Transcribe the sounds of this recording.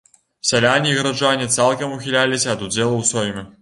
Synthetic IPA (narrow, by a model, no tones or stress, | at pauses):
sʲɛlʲanʲiːɣɐɾaʐanʲit̪salˠkɐmuxʲilʲalʲisʲɐːd̪ud͡zʲɛlˠɐwsʲɔjʲmʲɛ